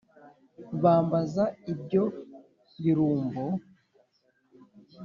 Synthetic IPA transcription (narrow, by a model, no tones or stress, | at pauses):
βaːmbazaib̚ɟo̞ | βiɾuːmbo